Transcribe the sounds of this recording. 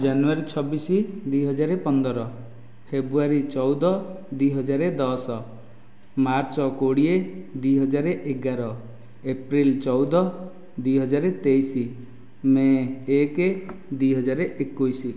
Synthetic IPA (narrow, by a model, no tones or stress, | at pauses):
d͡ʒanuaɾit͡ʃʰɔbisid̪ujɦɔd͡ʒaɾepɔnd̪ɔɾɔ | pʰebɾuaɾit͡ʃɔwd̪ɔ | d̪uɦɔd͡ʒaɾed̪ɔsɔ | maɾt͡ʃɔkoɽied̪uɦɔd͡ʒaɾeʔeɡaɾɔ | epɾilt͡ʃɔwd̪ɔ | d̪uijɦɔd͡ʒaɾet̪ejsi | mẽeked̪ujɦɔd͡ʒaɾeʔekːujsi